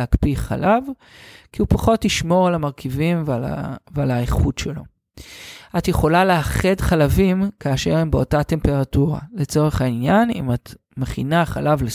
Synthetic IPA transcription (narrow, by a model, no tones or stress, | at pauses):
akpiχa̰lav | kiupaχo̞tliʃmo̞ʁalamaʁkʰivimv̰valaeχutʃelo̞̰ | ʔatjeχo̞laleaχedχalavimkaːʃe̞ʁembeo̞tate̞mpe̞ʁatuʁa̰le̞t͡so̞ʁe̞χhainjanḭmat | meχinaχa̰lavle